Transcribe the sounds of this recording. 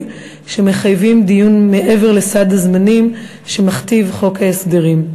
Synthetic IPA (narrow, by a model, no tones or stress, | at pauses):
ʃe̞me̞χajvimd̪ijunmeʔe̞ve̞ʁle̞sad̪azmanim | ʃe̞maχt̪ivχo̞kaesdeʁim